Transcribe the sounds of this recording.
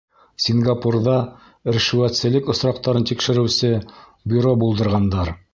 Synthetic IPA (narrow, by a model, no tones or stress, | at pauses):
sʲiŋɡapurðɑ | ɘ̆ɾʃɘ̆wæt̪sɘ̆lɘkŏsɾɑqt̪ɑɾɤnt̪ikʃɘ̆ɾɘ̆wsɘ | bʲyɾobulˠd̪ɤ̆ɾʁɑnd̪ɑɾ